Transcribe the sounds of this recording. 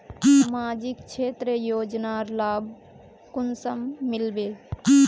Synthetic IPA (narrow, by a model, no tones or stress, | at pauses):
maːd͡ʒikt͡ʃʰeːt̪ɾəjoːd͡ʒnaɾlaːb | kʊnsəmːilbe